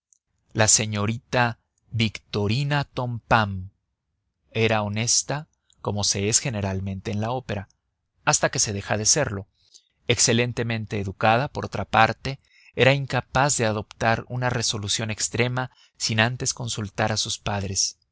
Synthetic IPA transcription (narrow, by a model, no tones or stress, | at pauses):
lase̞ɲo̞ɾit̪a | βikt̪o̞ɾinat̪o̞mpam | e̞ɾao̞ne̞st̪a | ko̞mo̞se̞e̞sxe̞ne̞ɾalmẽ̞nt̪e̞ːnlao̞pe̞ɾa | ast̪ake̞se̞ðe̞xaðe̞se̞ɾlo̞ | ekse̞le̞nt̪e̞mẽ̞nt̪e̞ːðukaðapo̞ɾʔo̞t̪ɾapaɾt̪e̞ | eɾaiŋkapazðe̞aðo̞pt̪aɾunare̞so̞lusjo̞ne̞kst̪ɾe̞ma | sinant̪e̞sko̞nsult̪aɾasuspaðɾe̞s